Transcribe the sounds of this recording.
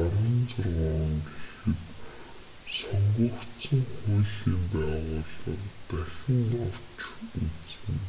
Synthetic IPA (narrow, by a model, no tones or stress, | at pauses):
ɔɾɞ̆nt͡sɔrʁaːŋɡexɘ̆t̪ | sɔŋɡukt͡sə̆ŋxuɮiːmpæːʁʊːɮərt̪æxʲɪ̆nɔr̥t͡ɕut͡sɘ̆ŋ